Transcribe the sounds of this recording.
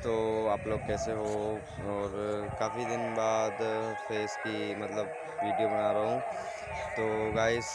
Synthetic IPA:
t̪oːaːploːɡ̚kɛːseɦo | ɔːɾkaːfid̪ɪnbaːd̪fʰeːsbimɐt̪ləbː | iːɖijobɐnaːɾaɦũː | t̪oːɡaːɪz

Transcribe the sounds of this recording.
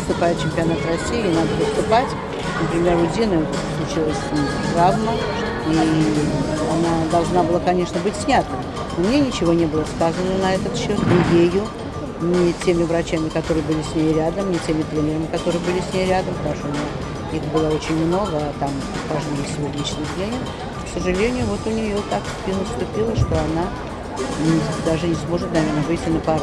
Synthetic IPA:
ɨst̪ʊpajɪʊt̪t͡ɕɪmʲpʲɪɐnat̪ɾɐsʲːijɪnad̪əpəst̪ʊpatʲ | nəpɾʲɪmʲe̞rʊzʲinəɛt̪ | slˠʊt͡ɕilˠəsʲt̪ɾavnə | i | anad̪ɐlˠʐnabɨlˠakɐnʲe̞ʂnəbɨtʲsʲnʲat̪nɨm | nomnʲe̞nʲɪt͡ɕɪvo̞nʲe̞bɨlˠəskazənənɐɛt̪ət̪ɕːo̞t̪nʲɪjejʊ | nʲɪtʲemʲɪvɾɐt͡ɕamʲɪkɐt̪o̞ɾɨjbɨlʲɪsʲnʲejɾʲad̪əmnʲɪtʲemʲɪt̪ɾʲenʲɪɾəmʲɪkɐt̪o̞ɾɨjəbɨlʲɪsʲnʲejɾʲad̪əmpt̪ɐuʂt̪ono | ixbɨlˠəo̞t͡ɕɪnʲmno̞ɡət̪am | vɐʐdʲejɪsʲvlʲit͡ɕnɨsʲlʲenʲɪ | ksəʐɨlʲenʲɪjʊvo̞t̪ʊnʲɪjo̞t̪ak | ɪnəst̪ʊpʲilˠəʂt̪o̞ɐna | nʲɪd̪aʐɨnʲɪsmo̞ʐɨt̪nɐvʲernəbɨtʲɪnəpɐ

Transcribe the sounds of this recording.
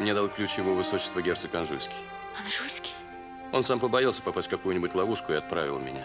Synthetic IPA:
mnʲed̪alˠklʲʉt͡ɕjɪvovɨsot͡ɕɪ̥st̪vəɡʲe̞rt̪sɨkɐnʐusʲkʲɪ̥j | ɐnʐusʲkʲɪ̥j | o̞̰nsampəbɐjalˠsʲə̥pɐpasʲt̚ʲkɐkujʊnʲɪbʊtʲlˠɐvuʂkʊɪɐt̪̚pɾa̰vʲɪlˠmʲɪ̰nʲa̰

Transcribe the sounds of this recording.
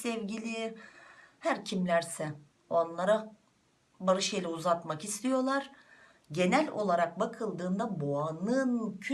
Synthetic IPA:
sɛvɟilʲi | hæɾcʰimlʲæɾsɛ | o̞nlˠaɾa | baɾɯʃelʲɛuzat̪makist̪ʰijo̞lˠaɾ̥ | ɟe̞nælʲolˠaɾak̚bakʰɯlˠd̪ɯːnd̪aboanɯncʰ

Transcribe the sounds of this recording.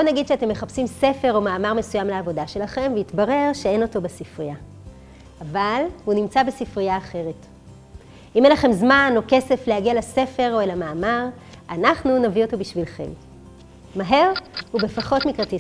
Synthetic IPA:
bonaɡid̪ʃeate̞mːeχapsimse̞fe̞ʁo̞maːmaʁme̞sujamleavo̞daʃe̞laχe̞mveitbaʁe̞ʁʃeeno̞to̞besifʁijaː | valhunimt͡sabesifʁijaːχe̞ʁe̞t | ʔimenlaχe̞mzmano̞ke̞se̞flehaɡialase̞fe̞ʁo̞elamaːmaʁ | anaχnunavio̞to̞biʃvilχe̞̰m | maɦe̞ʁhube̞faχo̞tmikʁati

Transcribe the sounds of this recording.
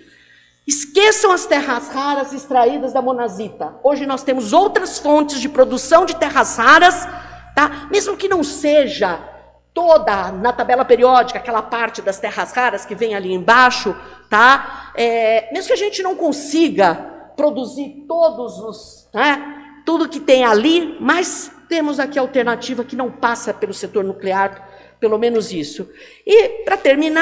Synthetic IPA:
ɪskesɐ̃w̃ɐst̪ɛɦɐzhaɾɐzɪst̪ɾaid̪ɐzd̪ɐmonazit̪ɐoʒɪnɔst̪ẽmʊzowt̪ɾɐsfõt͡ʃɪzd͡ʒɪpɾod̪usɐ̃w̃d͡ʒɪt̪ɛɦɐzʁaɾɐs | t̪amezmʊkɪnɐ̃w̃seʒɐ | t̪od̪ɐnɐt̪abɛlɐpeɾiɔd͡ʒikɐakɛlɐpaɾt͡ʃɪd̪ɐst̪ɛhɐshaɾɐskɪvẽj̃aliẽj̃baʃʊt̪aɛmezmʊkɪaʒẽnt͡ʃɪnɐ̃w̃kõsiɡɐpɾod̪uziɾt̪od̪ʊzʊs | nɛ | t̪ud̪ʊkɪt̪ẽj̃alimɐst̪ẽmʊzakiawt̪eɾnat͡ʃivɐkɪnɐ̃w̃pasɐpelʊset̪oɾnukleaɾ | pelomẽnʊzisʊ | ɪpɾɐt̪eɾmĩn

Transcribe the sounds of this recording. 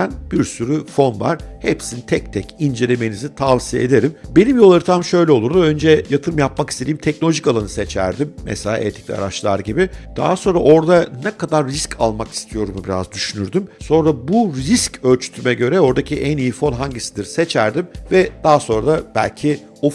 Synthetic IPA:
ænb̥iɾsyɾyfo̞nva̰ɾ̥hḛpsinit̪ʰɛc̚t̪ʰɛcʰind͡ʒe̞lʲe̞menizit̪ʰavsijeed̪e̞ɾimbe̞nimjolˠːaɾɯt̪ʰamʃø̞jlʲɛo̞lˠuɾd̪uø̞nd͡ʒɛjat̪ʰɯɾɯmjapmaki̥st̪eiːimt̪ʰɛc̚nolʲoʒikalˠanɯse̞t͡ʃʰæ̰ɾd̪imːɛ̰selʲa̰ːʔɛ̰t̪ʰi̥c̚lʲḭa̰ɾat͡ʃlˠa̰ɾɟibɪd̪̥a̰ɦaso̞nɾaʔo̞ɾd̪anɛkad̪aɾːiscʰalˠmaki̥st̪ʰijo̞ɾumubiɾa̰zd̪yʃynyɾd̪ymso̞nɾabuɾiscø̞lʲt͡ʃʰy̥t̪ʰymɛɟø̞ɾɛo̞ɾd̪acʰiʔænijifo̞nɦaɲɟisid̪iɾse̞t͡ʃʰæɾd̪imvɛd̪̥aɦaso̞nɾad̪ab̥æ̰lʲcʰi | o

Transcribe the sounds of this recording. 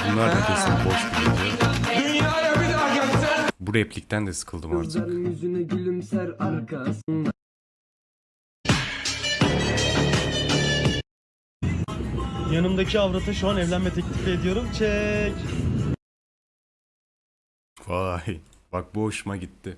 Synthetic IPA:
bunlˠaɾkat̪esinboʃbid̪id̪od̪ynjaːjabilaɡɛt͡ʃsæbuɾɛplʲic̚t̪ʰænd̪ɛsɯ̥kʰɯlˠd̪ɯmaɾzt̪lˠaɾɯnjyzynɛɟylʲymsæɾaɾkʰasɯn | janɯmd̪acʰiavɾat̪ʰaʃuanɛvlʲænmɛt̪ʰɛclʲified̪ijo̞ɾumt͡ʃʰɛc | faj | bak̚buɦoʃumaɟit̪ʰːɪ

